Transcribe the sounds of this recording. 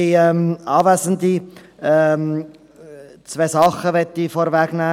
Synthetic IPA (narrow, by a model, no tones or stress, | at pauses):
iɛmɑːvæsənd̪i | m | t͡sveːsɑχəʋɛt̪ːifoɾvɛɡ̥næː